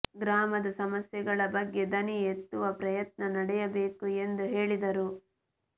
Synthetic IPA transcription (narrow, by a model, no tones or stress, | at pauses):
ɡɾaːmɐd̪ɐsɐmɐsjɛɡɐɭɐbɐɡːe̞d̪ɐniet̪ːuʋɐpɾɐjɐt̪̚nɐnɐɽɛjɐbe̞ːkue̞nd̪uɦe̞ːɭid̪ɐɾu